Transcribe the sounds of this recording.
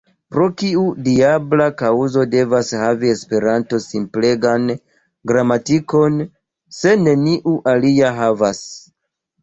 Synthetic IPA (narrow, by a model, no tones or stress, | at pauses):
pɾo̞kiudiablakauzo̞de̞vashavie̞spe̞ɾanto̞simple̞ɡan | ɡɾamatiko̞n | se̞ne̞niʔuʔaliaɦavas